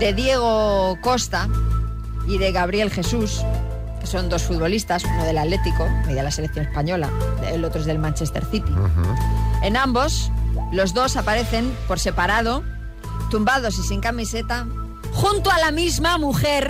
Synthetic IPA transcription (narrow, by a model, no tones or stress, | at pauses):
d̪e̞ðje̞ɣ̞oko̞st̪a | iðe̞ɣaβ̞ɾje̞lxe̞sus | ke̞so̞nd̪o̞sfut̪βo̞list̪asunoð̞e̞lat̪le̞t̪iko̞meðjalase̞lekθjo̞nespaɲo̞la̰ḛlo̞t̪ɾoezðe̞lmãnt͡ʃest̪e̞̰ɾθit̪i | e̞nãmbo̞slo̞zðo̞sapaɾe̞θe̞mpo̞ɾse̞paɾað̞o̞ | t̪umbaðo̞s̬isiŋkamise̞t̪a | xunt̪oalamizmamuxe̞ɾ